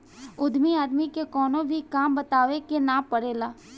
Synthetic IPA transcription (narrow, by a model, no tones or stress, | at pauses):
ʊd̪ʱmiaːd̪mikekɔːnõbʱikaːmbət̪aːʋekenapəɽeːlaː